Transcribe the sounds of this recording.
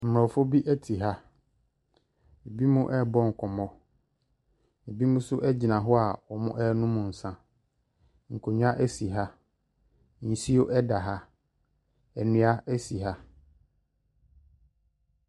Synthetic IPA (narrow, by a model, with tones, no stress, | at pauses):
m̩˨m˨ã˨fo˦bi˦ʔæ˦tʰi˨ɦa˦ | e˨bi˦mũ˦ʔɛ˦bɔ˦ŋ̩˨kʰɔ˨mɔ̃˦ | e˨bi˦mũ˦sʊ˦ʔɛ˦d͡ʑi˨nã˨ɦɔ˦a˨ɔ˨mʊ̃˦ʔɛ˦nʊ̃˦mʊ̃˨n̩˨sã˦ | ŋ̩˨kʰo˨ɲᶣ˦ã˦ʔæ˦si˨ɦa˦ | n̩˨si˦o˦ʔɛ˦da˨ɦa˦ | ɛ˨nʊ̃˦a˦æ˦si˨ɦa˦